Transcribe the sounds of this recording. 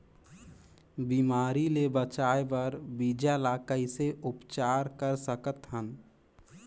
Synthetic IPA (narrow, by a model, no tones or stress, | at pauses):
biːmaːɾilebət͡ʃaːebəɾbiːd͡ʒalaːkəiseʔʊpt͡ʃaːɾkəɾsəkət̪ɦən